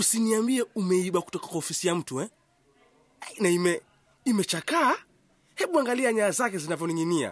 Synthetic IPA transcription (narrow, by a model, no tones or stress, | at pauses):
usiniambiɛumɛiɓaku̥tɔkḁkwaɔfisijam̩tuwɛ | naimɛ | imɛt͡ʃakaː | hɛɓuaŋɡaliaɲaːzak̬ɛzinavjɔniŋinia̰